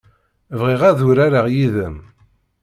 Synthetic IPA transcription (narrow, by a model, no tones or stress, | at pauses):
vʁiʁæðuɾaɾaʁjiðəm